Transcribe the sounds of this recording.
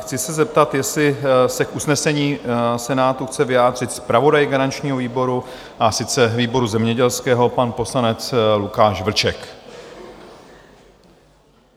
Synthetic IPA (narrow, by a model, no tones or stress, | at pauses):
xt͡sɪsɛzɛp̚t̪at̪jɛslɪsɛkʔusnɛsɛɲiːsɛnaːt̪uxt͡sɛvɪjaːd̪r̝ɪt̪spɾavo̞dajɡaɾant͡ʃɲiːɦo̞viːbo̞ɾu | ʔasɪt͡sɛviːbo̞ɾuzɛmɲɛɟɛlskɛːɦo̞panpo̞slanɛt͡slukaːʃvl̩t͡ʃɛk